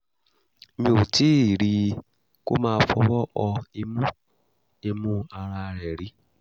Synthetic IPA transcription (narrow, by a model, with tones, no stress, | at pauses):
mĩ˦o˨tʰi˦i˨ɾi˧˦ | ko̰˦mãː˧˦fɔ˧wɔ˦ʔɔ˧i˧mũ˦ | e˧mũ˦a˧ɾa˧ɾɛ˨ɾi˦